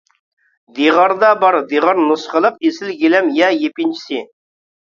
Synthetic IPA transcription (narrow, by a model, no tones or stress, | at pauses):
d̪iʁɑɾd̪ɑbɑɾd̪iʁɑɾnusχəlˠəq̚esɪlɡʲelɛmjɛjepʲint͡ʃʰi̥sɪ